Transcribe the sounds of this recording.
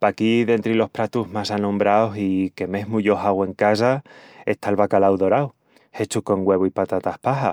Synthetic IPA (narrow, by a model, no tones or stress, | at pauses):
pakiðe̞nt̪ɾilo̞hpɾat̪uɦmasanõ̞mbɾaosike̞me̞ɦmuʝoɦaɣwe̞ŋkas̬aest̪alβakalawðo̞ɾaw | he̞t͡ʃuko̞ŋɡwe̞β̞oipat̪at̪ahpaɦa